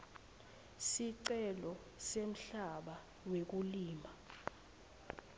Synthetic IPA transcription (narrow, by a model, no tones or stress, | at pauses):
siǀɛlɔ | sem̩ɬaɓa | wek̬uliːma